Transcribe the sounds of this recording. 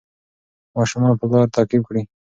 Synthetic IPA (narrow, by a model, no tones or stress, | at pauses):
mɑʃumɑːnpəɡɑːɾt̪aːqɪb̚kɽi